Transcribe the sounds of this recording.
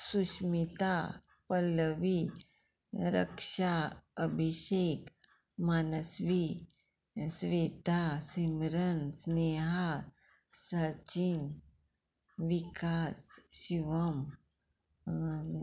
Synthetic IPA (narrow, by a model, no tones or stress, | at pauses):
suʃmit̪a | pəlʋi | ɾə̰kʂaəbʱiʃek | maːnəsʋi | sʋet̪asimɾənsneɦa | sat͡ɕin | ʋikasɕiʋəm